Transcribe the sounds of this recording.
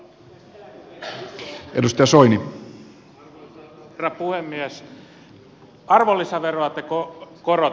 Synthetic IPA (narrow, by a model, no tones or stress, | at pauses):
ʔḛdust̪ɑjɑsoini | rɑpuhemːies | ɑrʋolːisɑʋeroɑt̪ːekokoro